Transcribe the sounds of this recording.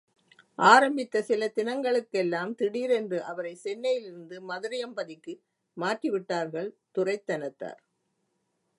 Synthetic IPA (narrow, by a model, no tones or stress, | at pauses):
ʔaːɾɐmbɪt̪ːɐsɪlɐt̪ɪnɐŋɡɐɭɯkːɛlːaːmt̪ɪɽiːɾɛndrɯʔɐʋɐɾɐɪsɛnːɐjɪlɪɾɯnd̪ɯmɐðɯɾɪjɐmbɐðɪkːɯ | maːʈriʋɪʈːaːɾɣɐɭt̪ʊrɐɪt̪ːɐnɐt̪ːa̰ːɾ